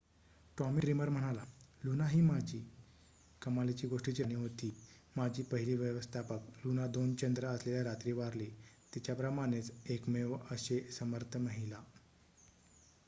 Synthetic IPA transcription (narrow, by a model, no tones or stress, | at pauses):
ʈɔmiʈɾiməɾm̤əɽ̃alalunaɦiːmad͡ʑiː | kəmalit͡ɕiːɡoʂʈit͡ɕiːniːɦot̪iː | mad͡ʑʱiːpəɦiliːʋjəʋəst̪ʰapəklunad̪ont͡ɕənd̪ɾəəsleljaɾat̪ɾiːʋaɾlet̪it͡ɕjapɾəmaɽ̃et͡sekmeʋəɕesəməɾt̪ʰəməɦila